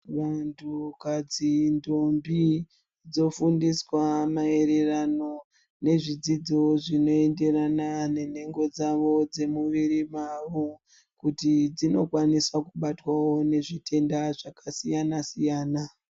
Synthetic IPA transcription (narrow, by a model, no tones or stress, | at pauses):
wantʰukad͡zindombi | d͡zo̞fundiswamae̞ɾerano̞ | ne̞ʐid͡zid͡zo̞ʐino̞e̞nde̞ranane̞ne̞ŋɡo̞d͡zaʋo̞d͡ze̞muʋirimaʋo | kutid͡zino̞kwanisakuɓatwawo̞ne̞ʐitʰe̞ndaʐakasijanasijaːna